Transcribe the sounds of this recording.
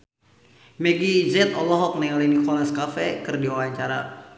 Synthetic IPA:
mɛɡizɛt̪ɔlɔɦɔk̚nɛalinikɔlaskafɛkɨrdiowaɲt͡ʃaɾa

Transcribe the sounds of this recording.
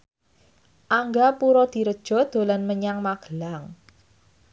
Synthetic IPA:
ʔaŋɡapuɾɔd̪̥i̤ɾəd̥ʒ̥ɔ̤d̪̥o̤lanməɲaŋmaɡ̥əlaŋ

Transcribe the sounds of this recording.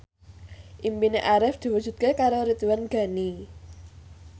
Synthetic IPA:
ʔimpineʔaɾɪfd̪̥i̤wud̥ʒ̥ṳt̪̚kekaɾoɾit̪uwanɡ̥a̤ni

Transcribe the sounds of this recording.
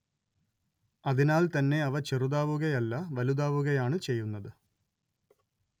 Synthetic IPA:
ɐðinaːlt̪ɐnːe̞ɐʋɐt͡ɕeruðaːʋuɣɐjɐlːɐʋɐluðaːʋuɣɐjaːɳɨt͡ɕe̞jːunːɐðɨ

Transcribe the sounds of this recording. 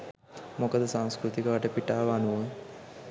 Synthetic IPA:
mokɐd̪ɐsaŋ̃skɾut̪ikɐʋɐʈɐpiʈaːʋanuʋo

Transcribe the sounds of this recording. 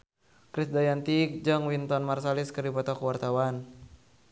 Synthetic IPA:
kɾisdajant̪ikd͡ʒaŋwint̪ɔnmarsaliskərdipɔt̪ɔkuwart̪awan

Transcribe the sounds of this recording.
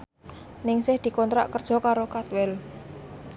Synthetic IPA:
nɪŋsɪhd̪̥i̤kɔnt̪ɾa̰ʔkərd̥ʒ̥ɔ̤kaɾokat̪wɛl

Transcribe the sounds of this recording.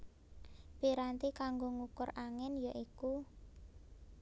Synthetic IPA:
piɾant̪ikaŋɡoŋukʊraŋɛnjaʔiku

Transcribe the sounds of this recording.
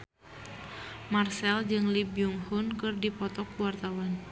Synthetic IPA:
marsɛld͡ʒɨŋlibjuŋhunkɨrdipɔt̪ɔkluwart̪awan

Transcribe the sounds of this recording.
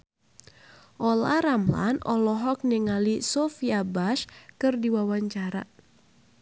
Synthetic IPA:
ʔɔlaɾamla̰nɔlɔɦɔk̚niŋalisɔfiabaʃkɨrdiwawaɲt͡ʃaɾa̰

